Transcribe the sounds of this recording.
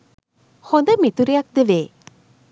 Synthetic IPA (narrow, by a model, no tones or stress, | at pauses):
hõnd̪əmit̪uɾejak̚d̪eʋeː